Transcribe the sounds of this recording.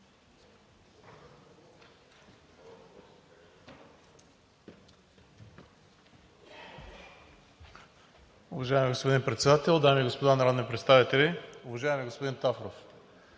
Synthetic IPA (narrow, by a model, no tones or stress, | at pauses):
ʊvɐʒaɪmiɡospod̪inpɾɛt̪sɛd̪at̪ɛlˠd̪amʲiːɡospod̪anɐɾod̪nipɾɛt̪st̪avit̪ɛlʲiʊvɐʒaɛmiɡospod̪int̪afɾof